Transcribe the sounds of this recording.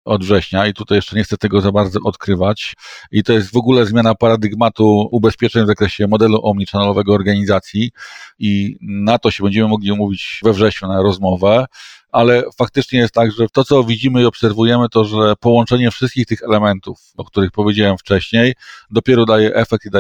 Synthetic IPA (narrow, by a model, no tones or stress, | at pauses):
ɔd̪vʐɛɕɲait̪ut̪ajɛʂt͡ʂɛɲɛxt̪sɛt̪ɛɡɔzabaɾd̪zɔʔɔt̪kɾɘvat͡ɕit̪ɔjɛst̪vɔɡulɛzmʲjanapaɾad̪ɘɡmat̪uubɛspʲjɛt͡ʂɛɲvzakɾɛɕɛmɔd̪ɛluʔɔmɲit͡ʂanɛlɔvɛɡɔːɾɡaɲizat̪sʲjiinat̪ɔɕɛbɛɲd͡ʑɛmɘmɔɡlʲiumuvʲit͡ɕvɛvʐɛɕɲunaɾɔzmɔvɛʔalɛfak̚t̪ɘt͡ʂɲɛjɛst̪t̪ːaɡʐɛt̪ɔt̪ɔvʲid͡ʑimɘiɔpsɛɾvujɛmɘt̪ɔʐɛpɔwɔ̃nt͡ʂɛɲɛfʂɘst̪̚kʲixt̪ɘxɛlɛmɛnt̪ufɔk̚t̪uɾɘxpɔvʲjed͡ʑawɛmft͡ʂɛɕɲejd̪ɔpʲjɛɾɔd̪ajɛʔɛfɛk̚t̪id̪a